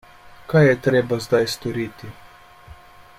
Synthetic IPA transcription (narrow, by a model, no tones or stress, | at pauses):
kajjɛt̪ɾeːbazd̪ajst̪ɔɾiːt̪i